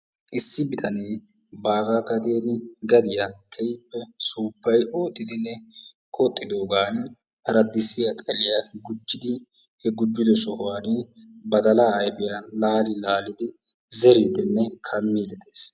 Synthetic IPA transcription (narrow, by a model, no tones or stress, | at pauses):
ʔɪsːɪbɪt̪ʰɐneː | baːɡaːkɐd̪e̞ːnɪɡɐd̪ɪjakʰɛjɪpːɛsuːpːɐjoːt̪ʼːɪd̪ɪnːɛ | kʼɔt̪ʼːɪd̪o̞ːɡaːn | hɐɾɐd̪ːɪsːɪɐt̪ʼkʼɐlɪjɐɡʊd͡ʒːɪd̪ɪ | hɛɡʊd͡ʒːɪd̪ɔsɔhʊwaːne | bɐd̪ɐlaːjbɪjalaːd͡ʒɪlaːlɪd̪ɪ | zɛɾiːd̪ɪnːɛkʰɐmːiːd̪ɛt̪eːs